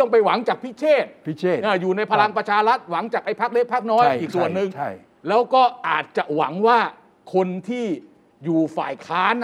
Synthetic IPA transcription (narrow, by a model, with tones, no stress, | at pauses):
ɔ˥˩ŋpa˧jwa˩˦ŋt͡ɕaː˨˩k̚pʰi˦˥t͡ɕʰeː˥˩t̪̚pʰi˦˥t͡ɕʰeː˥˩ʔaː˧˩juː˨˩na˧jpʰa˧la˧ŋpɾa˧t͡ɕʰaː˧ɾa˦˥t̪̚wa˩˦ŋt͡ɕaː˨˩k̚ʔa˧jpʰa˦˥k̚le˦˥˩k̚pʰa˦˥k̚nɔː˦˥jʔiː˨˩k̚su˨˩ənːɯ˨˧ŋʰa˥˩j | lɛː˦˥wkɔː˥˩ʔaː˨˩t̪̚t͡ɕa˨˩ʔwa̰˩˦ŋwaː˥˩ | kʰo˧nt̪ʰiː˥˩ | juː˨˩fa̰ː˨˩jkʰaː˦˥n